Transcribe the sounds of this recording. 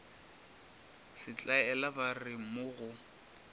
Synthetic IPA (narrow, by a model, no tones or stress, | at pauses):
sɪt͡ɬʼaɛlabarɪmʊɣʊ